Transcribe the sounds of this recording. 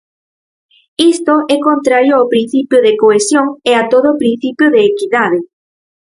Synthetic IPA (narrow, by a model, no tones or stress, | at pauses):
ist̪oɛkõnt̪ɾaɾjoawpɾin̟θipjʊðekoesjoŋeat̪oðʊːpɾin̟θipjʊðeːkiðaðe